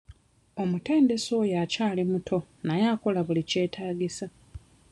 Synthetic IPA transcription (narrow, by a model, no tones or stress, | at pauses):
o̞mute̞ːnde̞sojaːcaːlimutʰo̞najaːko̞laβulice̞ːtʰaːɟisa